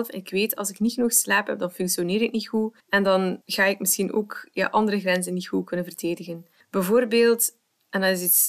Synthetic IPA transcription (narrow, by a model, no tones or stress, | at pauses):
lfɛ̰nɪkweːtʰɑ̰lˠzɪknixnɔxslaːpɦɛ̰b̚dɑnfʏŋksjoneːɾɪknitxu | ɛndɑnɣaːɪkmɪsxinʔo̰ːkja̰ːʔɑndəɾəɣrɛnzənːitxukɵnənvərteːdɪɣən | b̥ɛvoːrbeːlˠt | ɛndɑnɪzis